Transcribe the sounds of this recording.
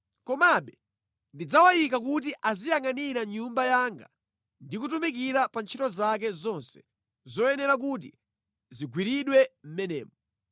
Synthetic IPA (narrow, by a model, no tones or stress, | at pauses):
kɔmaɓɛ | ndid͡zawajikakut̬iʔazijaŋaniɾaɲumbajaŋɡa̰ | ndikutumik̬iɾapant͡ʃʰitɔzak̬ɛzɔnsɛ̥ | zɔjɛnɛɾak̬ut̬ḭ | ziɡwiɾiɗwɛm̩mɛnɛ̰ːmɔ